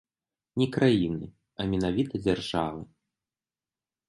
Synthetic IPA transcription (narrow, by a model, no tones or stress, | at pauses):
nʲɛkɾajinɨ | ɐmʲɛnavʲit̪ɐd͡zʲarʐavɨ